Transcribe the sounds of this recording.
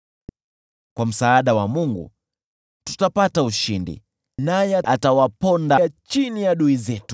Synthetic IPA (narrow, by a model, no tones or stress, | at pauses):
kwam̩saːɗawamuŋɡṵ | tu̥tapatauʃindḭ | najɛʔatawapɔndat͡ʃinijaɗuizɛtu̥